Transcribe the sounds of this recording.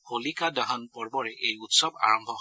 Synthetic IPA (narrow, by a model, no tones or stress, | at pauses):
holikadaɦɔnpɔɹbɔɹɛʔejutsɔba̰ɹɔmbʱɔɦ